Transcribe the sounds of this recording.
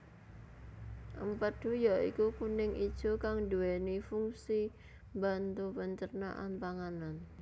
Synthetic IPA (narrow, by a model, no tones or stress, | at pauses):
ʔəmpəd̪̥ujaʔḭkukunɪŋʔid̥ʒ̥o̤kaŋd̪uwɛnifuŋsi | mba̤nt̪upəɲt͡ʃərna̰ʔa̰npaŋanan